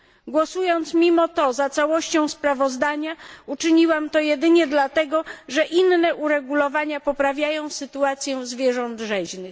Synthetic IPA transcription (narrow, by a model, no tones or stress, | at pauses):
ɡwɔsujɔnt̪smʲimɔt̪ɔzat̪sawɔɕt͡ɕɔ̃w̃spɾavɔzd̪aɲaut͡ʂɘɲiwamt̪ɔjɛd̪ɘɲɛd̪lat̪ɛɡɔʐɛʔinːɛʔuɾɛɡulɔvaɲapɔpɾavʲjajɔ̃w̃sɘt̪uat̪sʲjɛzvʲjɛʐɔnd̪ʐɛʑnɘx